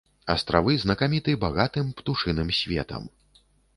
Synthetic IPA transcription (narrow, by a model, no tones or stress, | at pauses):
ɐst̪ɾavɨznɐkamʲit̪ɨbaɣat̪ɨmpt̪uʂɨnɨmsʲvʲɛ̰t̪ɐ̰m